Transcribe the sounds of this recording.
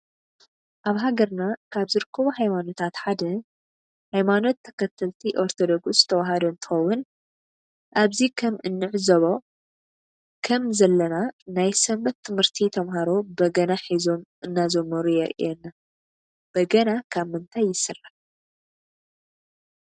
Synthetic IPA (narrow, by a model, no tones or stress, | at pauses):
ʔaβɦaɡɐɾnakʰaβzɨɾɨkʰːɐβuɦajmano̞t̪ʰat̪ħad̪ɐ | hajmano̞t̪ʰːɐ̥kʰɐt̪ʰːɐlt̪ʰiʔo̞ɾt̪ʰod̪oɡzɨ̥t̪ʰɐwaɦad̪oɨnt̪ʰɨ̥xɐwːʊn | ʔaβzikʰɐmɨnːɨʕzɐβo̞ | kʰɐmzɐlːɐnanajsɐmbɐt̪ʰːɨmhɨɾt̪ʰit̪ʰɐmɦaɾo̞bɐɡɐnaħizo̞mʔɨnːazɐmːɐɾujɛɾʔḭʔɛnːa | b̥ɐɡɐnakʰaβmɨnt̪ʰajːɪsɨrːɨħ